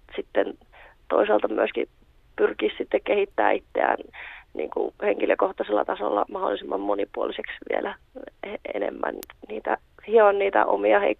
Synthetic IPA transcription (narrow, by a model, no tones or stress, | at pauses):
sit̪ːen | t̪oisɑlt̪ɑmyøski | pyrkissit̪ːekkehit̪ːæːit̪ːeæ̰nnḭːŋkuheŋkiløkoht̪ɑselːɑt̪ɑsolːɑmɑholːˑisemːɑmmonipuoliseksʋielʔæ | enemːænniːt̪æ | hiɑnniːt̪æʔomiɑhei